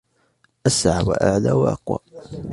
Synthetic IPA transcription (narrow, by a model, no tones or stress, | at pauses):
ʔasʕawa̰ʔaʕlawaʔɑ̰qwa̰